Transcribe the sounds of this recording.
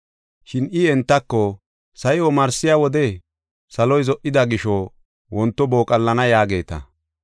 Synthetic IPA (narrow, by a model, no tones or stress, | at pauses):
ʃɪnɪɛnt̪ːɐkːɔ | sɐjɔmɐɾsɪjawɔd̪ɛ | sɐlɔjzɔʔɪd̪ɐɡɪʃɔ | wɔnt̪ːɔboːkʼɐlːɐnɐjaːɡe̞ːt̪ɐ̰